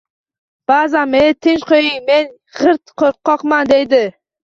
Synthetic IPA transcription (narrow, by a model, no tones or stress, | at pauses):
b̥azamet̪ʰɪnt͡ʃqʰojɪŋme̞n | ʁɨɾt̪qʰoɾ̚qʰːɒqmand̪ejd̪ɪ